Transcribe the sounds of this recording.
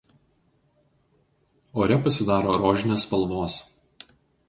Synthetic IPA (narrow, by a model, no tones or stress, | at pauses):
oːɾʲɛpɐsʲɪd̪ɑːɾoːɾoːʒʲɪnʲeːspɐlˠʋoːs